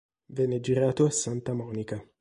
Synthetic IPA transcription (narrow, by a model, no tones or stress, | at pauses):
vɛnːed͡ʒiɾaːt̪oasːant̪amɔːnika